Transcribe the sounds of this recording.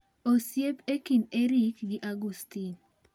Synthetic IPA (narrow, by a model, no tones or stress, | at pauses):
osjepekineɾikɡiʔaɡust̪in